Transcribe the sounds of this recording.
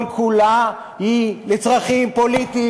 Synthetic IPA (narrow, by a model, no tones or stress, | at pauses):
nkʰula | hilet͡sʁaχimpo̞lit̪i